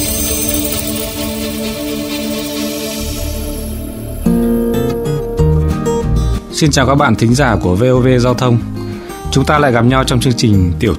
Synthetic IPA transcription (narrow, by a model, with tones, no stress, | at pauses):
si˧nt͡ɕaː˨˩wkaː˦˥k̚ɓa̰ː˧˨t̪ʰï˨˦ŋ̟zaː˧˩ku˧˩əve˧ʔo˧ve˧zaː˧wt̪ʰə˧wŋ͡m | t͡ɕʊ˨˦ŋ͡mt̪aː˧la̰ː˧˨jɣa˨˩p̚ɲa˧wt͡ɕɔ˧wŋ͡mt͡ɕɨ˧əŋt͡ɕï˨˩ŋ̟t̪i˧˩əw